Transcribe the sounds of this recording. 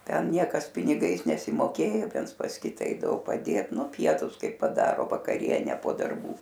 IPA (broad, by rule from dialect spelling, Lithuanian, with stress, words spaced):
ˈtʲɛn ˈnʲiɛkɐs pʲɪnʲɪˈɡɐɪs nʲɛsʲɪmoːˈkʲeːjoː ˈʋʲiɛns pɐs ˈkʲɪtɐ ˈɛɪdɐʋoː pɐˈdʲeːt ˈnʊ ˈpʲiɛtʊs ˈkɐɪ pɐˈdɑːroː ʋɐkɐˈrʲiɛnʲɛ poː dɐrˈbuː